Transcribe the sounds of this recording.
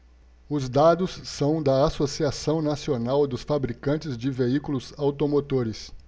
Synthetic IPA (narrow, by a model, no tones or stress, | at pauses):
ʊzd̪ad̪ʊsːɐ̃w̃d̪ɐasosiasɐ̃w̃nasionawd̪ʊsfabɾikɐ̃nt͡ʃɪzd͡ʒɪveikulʊzawt̪omot̪oɾɪs